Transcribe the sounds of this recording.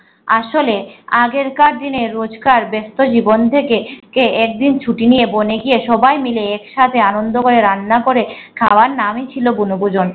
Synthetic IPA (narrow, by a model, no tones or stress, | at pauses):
aʃoleaɡeɾkaɾd̪ineɾod͡ʑkaɾbest̪od͡ʑibont̪ʰekekeɛk̚d̪int͡ɕʰuʈinijeboneɡieʃɔbajmileɛkʃat̪ʰeanond̪okoɾeɾanːakoɾe | kʰawaɾnamit͡ɕʰilobunobud͡ʑon